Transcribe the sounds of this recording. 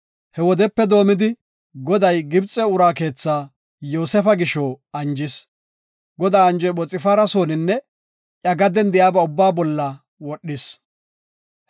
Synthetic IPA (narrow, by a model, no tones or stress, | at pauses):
hɛwɔd̪ɛpːɛd̪o̞ːmɪd̪ɪ | ɡɔd̪ɐjɡɪbt͡sʼːɛʊɾaːke̞ːt͡sːaː | joːsɛfɐɡɪʃoɐnd͡ʒɪs | ɡɔd̪aːɐnd͡ʒɔjɓɔt͡sʼɪfaːɾɐsoːnɪnːɛ | ʔjɐɡɐd̪ɛnd̪ɪjaːbɛʊbːaːbɔlːɐ | wɔɗːɪs